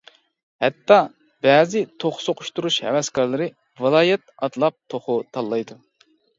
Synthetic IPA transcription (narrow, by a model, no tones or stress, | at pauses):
hɛt̪ːɑ | bɛːzɪt̪ʰoχsoqʰʊʃt̪uɾuʃhɛ̰wɛskɑɾlˠɨɾɨ | vɨlˠɑːjɛt̪̚ɑt̪lˠɑp̚t̪ʰoχʊt̪ʰɑlˠːɑjd̪u